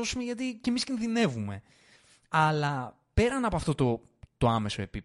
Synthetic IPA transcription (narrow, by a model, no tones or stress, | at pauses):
o̞sumeʝɐt̪icemiscinðine̞vume̞ | ɐlɐ | pe̞ɾɐnɐpoɐft̪o̞t̪o̞ | t̪o̞ɐme̞so̞e̞pip